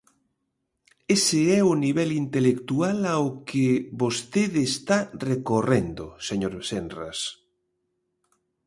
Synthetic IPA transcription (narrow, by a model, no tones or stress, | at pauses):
esɪɛʊniβɛlint̪elekt̪ualaʊkɪβost̪eðest̪arekorend̪ʊ̰seɲoɾβsenra̰s